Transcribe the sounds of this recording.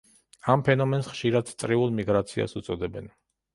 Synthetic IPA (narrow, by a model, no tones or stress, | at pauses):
ampʰɛnɔmɛnsχʃiɾad̪t̪ʼɾiulˠmiɡɾat̪sʰia̰sut̪sʼɔd̪ɛbɛn